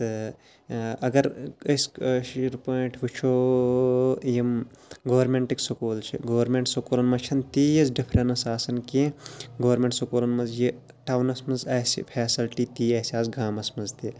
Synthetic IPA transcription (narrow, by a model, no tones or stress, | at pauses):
t̪ɨ | ɐɡɐɾɐskʃɾpoːiʈʰʋut͡ʃʰo | jim | ɡɐʋɐɾmeɳʈiksokoːlt͡ʃʰḭɡoːɐɾmẽɳʈsokoːlɐnmɐt͡ʃʰɐnt̪ijisɖipʰɾenɐsaːsɐnkiɡɐʋɐɾmẽɳʈsokoːlɐnmɐnzji | ʈaːwnɐsmɐnzɐːsḭpʰɛːsilʈiːt̪iːɐːsiaːsɡaːmɐsmɐnzt̪i